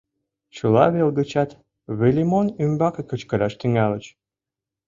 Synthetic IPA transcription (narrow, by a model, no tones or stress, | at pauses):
t͡ɕəlɑ̰βelɡə̆t͡ɕɑt̪ | βelʲimonymbɑkekə̆t͡ɕkə̆ɾɑʃt̪iŋælə̆t͡ɕ